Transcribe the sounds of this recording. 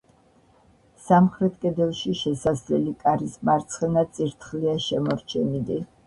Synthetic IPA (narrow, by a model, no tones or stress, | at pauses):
samχɾɛt̪ʰkʼɛd̪ɛlˠʃiʃɛsazlɛlikʼaɾismaɾt̪sʰχɛnasʼiɾt̪ʰχliaʃɛmɔɾt͡ʃʰɛnid̪i